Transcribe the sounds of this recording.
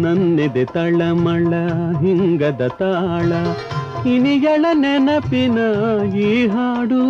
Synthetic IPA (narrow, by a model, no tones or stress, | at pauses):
nɐnːed̪et̪ɐɭɐmɐɭɐɦiŋɡɐd̪ɐt̪aːɭɐ | inijɐɭɐnɛnɐpinɐjiɦaːɽu